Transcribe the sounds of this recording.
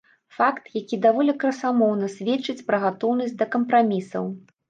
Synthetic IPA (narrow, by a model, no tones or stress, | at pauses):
fakt̪jakʲid̪avɔlʲɛkɾɐsamɔwnɐsʲvʲɛt͡ʂːɨt͡sʲpɾɐɣat̪ɔwnɐsʲtʲd̪ɐkɐmpɾamʲisɐ̰w